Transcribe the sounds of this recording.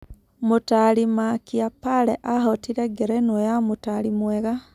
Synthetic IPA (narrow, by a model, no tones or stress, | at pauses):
mutalimakiapaleʔahotiɾeɡeɾenojamutalimweɣa